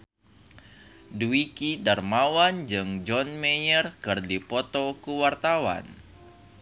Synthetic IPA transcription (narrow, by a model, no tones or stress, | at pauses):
duikidarmawand͡ʒɨŋd͡ʒɔnmejərkɨrdipɔt̪ɔkuwart̪awa̰n